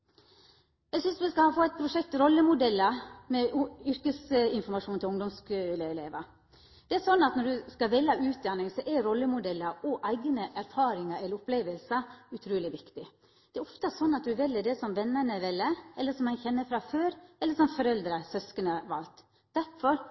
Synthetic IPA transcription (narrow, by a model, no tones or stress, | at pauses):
jæɪsʏnsʋɛskɑɑfoːæɪt̪̚pʰɾʊʂɛk̚t̪ɾɔlːəmʊd̪ɛlːəmɛʏɾkəsɪnfɔɾmɑʂuːnɪlʊŋd̪ɔmskʉləɪleːʋɑ | d̪̥ɛæsɔnːɑt̪nɔɖʉskɑʋɛlːɑʉːt̪̚d̪ɑnːɪŋsɔʔæɾɔlːəmʊd̪ɛlːəɔʔæɪɡənəʔæɾfɑːɾɪŋɑɾɛləɾʊpleːʋəlsəʉt̪ʰɾuːlɪʋɪkt̪ɪ | d̪̥ɛæɾɔft̪əsɔnːɑt̪̚d̪ʉʋɛlːəd̪ɛsɔmʋɛnːəɳəʋɛlːəɛlːəsɔmhɑnçɛnːəfɾɑːføːɾʔɛləʂɔmfɔɾɛld̪ɾəsœskənəɑʋɑ̰lt̪ | d̪̥æɾfɔɾ